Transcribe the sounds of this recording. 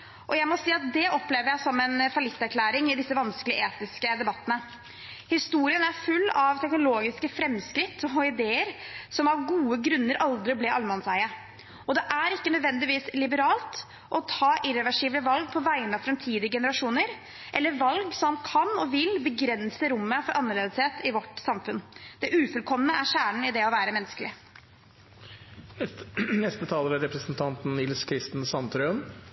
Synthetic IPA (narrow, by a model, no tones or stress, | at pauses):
ʔɔjæɪmɔsiːɑt̪̚d̪ɛʔɔpːleːʋəɾjæɪsɔmːɛnfɑlɪt̪ːæɾkʰlæːɾɪŋɪd̪ɪsːəʋɑnskəlɪəʔeːt̪ɪskəd̪ɛbɑt̪ːənə | hɪst̪uːɾɪənæɾfʉlːɑʋt̪ʰɛknʊloːɡɪskəfɾɛmːskɾɪt̪ːɔɔɪd̪eːəɾsɔmɑʋɡuːəɡɾʉnːəɾʔɑld̪ɾɪblɛʔɑlmɑnsæɪə | ɔd̪ɛʔæɾɪkːənœd̪ʋɛnd̪ɪʋiːslɪbəɾɑːlt̪ | ʔɔt̪ʰɑːʔɪɾɛʋæʂiːbləʋɑlɡ̚pʰɔʋæɪnɑfɾɛmt̪ʰiːd̪ɪəɡɛnəɾɑʂuːnəɾ | ʔɛlːəɾʋɑlɡsɔmɑnkʰɑnɔʋɪlbəɡɾɛnsəɾʊmːəfɔɾʔɑnːəɾɭeːd̪əsheːt̪ʰɪʋɔʈsɑmfʉnd̪̥ɛʔʉːfʉlkʰɔmənəæɾʂæːɳ̩ɪd̪ɛɔʋæːɾəmɛnːəskəlɪ | nɛst̪ət̪ʰɑːləɾəɾɛpɾəsnt̪ʰɑnt̪n̩nɪlskʰɾɪst̪n̩sɑnt̪ʰɾøən